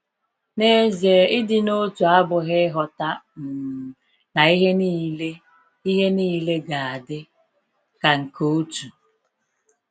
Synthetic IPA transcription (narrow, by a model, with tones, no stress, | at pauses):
ne˦ze˨ɪ˦dɪ˨no˦tu˨a˦bʊ˨ɦɪ˦ɦɔ˨ta˦m̩˨ | na˨i˦ɦe˦ni˦le˦ | i˦ɦe˦niː˦le˦ɡa˨a˨dɪ˦ | ka˨ŋ̩˨kʰo˦tu˨